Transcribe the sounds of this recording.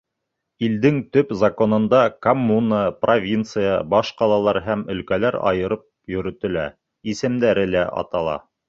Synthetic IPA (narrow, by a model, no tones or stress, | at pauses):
ild̪ɘŋt̪ɵpzɐkonɤ̆nd̪ɑkomːunəprovʲint̪sɨjəbɑʃqɑlˠɑlˠɑɾɦæmɵ̆lkælæɾɑ̰jɤ̆ɾɤp̚jɵ̆ɾɵ̆t̪ɵ̆læ | isɘ̆md̪æɾɘlæ̰ʔɑ̰t̪ɑlˠɑ̰